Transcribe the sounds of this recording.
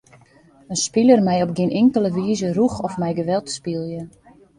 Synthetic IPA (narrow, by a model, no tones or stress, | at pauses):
ənspilərmɛjɔp̚ɡɪnʔɪŋkələʋiːzəruxɔfmɛjɡəʋɛlˠtspilˠjə